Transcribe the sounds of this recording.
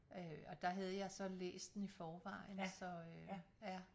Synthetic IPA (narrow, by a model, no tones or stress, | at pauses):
øɒ̽d̥ɑ̈ɦæð̞ˠəjɑ̈ɪsɒ̽lḛːsd̥enifɒːʋɑ̈ɪ̰nsɒ̽ø | jæ